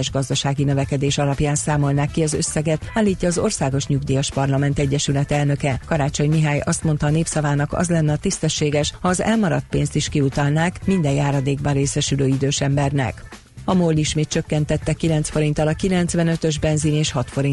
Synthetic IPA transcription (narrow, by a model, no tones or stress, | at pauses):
ɛʒɡɒzd̪ɒʃaːɡinøvɛkɛd̪eːʃɒlɒpjaːnsaːmo̞lnaːkːiɒzø̰sːɛɡɛt̪aːlːiːcːɒːzo̞rsaːɡo̞ʃɲuɡd̪ijɒʃpɒrlɒmɛnt̪ɛɟːɛʃylɛt̪ɛlnø̞kɛkɒɾaːt͡ʃo̞ɲmiɦaːjɒst̪mo̞nt̪ɒːneːpsɒvaːnɒkɒ̰zlɛnːɛɒt̪ist̪ɛʃːeːɡɛʃhɒːzɛ̰lmɒɾɒt̪̚peːnst̪iʃkiut̪ɒlnaːkmind̪ɛjjaːɾɒd̪eːɡbɒnreːsɛʃyløːid̪øːʃɛmbɛrnɛ̰k | ɒmoːlːiʃmeːt̪̚t͡ʃø̞kːɛnt̪ɛt̪ːɛkːilɛnt̪sfo̞ɾint̪ɒlɒkilɛnt̪sʋɛnø̞t̪ø̞ʒbɛnzineːʃhɒt̪fo̞ɾi